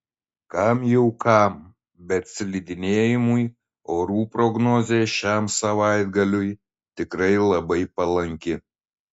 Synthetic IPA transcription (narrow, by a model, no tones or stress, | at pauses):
kɐmjɛʊkʰɐm | bʲɛt̪sʲlʲid̪ʲɪnʲeːjɪmʊj | oːɾuːpɾɔɡnoːzʲeːʃʲæmsɐʋɑˑɪd̪ɡɐlʲʊj | t̪ʲɪkɾɐɪlˠɐbɐɪpɐlˠɐŋʲkʲɪ